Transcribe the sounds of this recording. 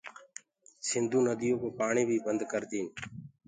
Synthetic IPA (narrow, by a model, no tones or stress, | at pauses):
sɪnd̪ũːnəd̪ijõːkoːpaːɳiːbʱiːbənd̪kəɾt̪iːn